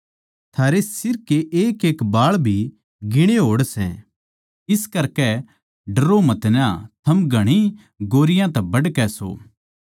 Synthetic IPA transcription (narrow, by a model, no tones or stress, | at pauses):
t̪ʰaːɾesɪɾkeʔeːkeːkbaːɭbʱi | ɡɪɽ̃eɦoːɽsɛ̰̃ | ɪskɐɾkɛ | ɖɐɾomɐt̪nãt̪ʰɐmɡɐɽ̃i | ɡoːɾɪjãt̪ɛbɐɖkɛso̰ː